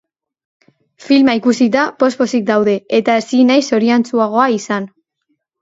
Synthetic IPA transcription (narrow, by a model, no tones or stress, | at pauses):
filmaikusit̪apo̞spo̞sik̚d̪awð̞e̞et̪aesinajso̞ɾiant͡suaɣ̞o̞aisan